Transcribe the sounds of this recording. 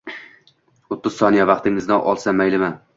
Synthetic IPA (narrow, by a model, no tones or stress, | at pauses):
ʊt̪ʰːʊz̥sɒnijavɑqt̪ɪŋɪznɪʔɒ̰lˠsamajlɪman